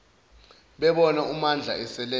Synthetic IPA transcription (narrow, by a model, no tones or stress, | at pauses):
ɓɛɓɔnaumand͡ɮʱa̰ɛsɛlɛ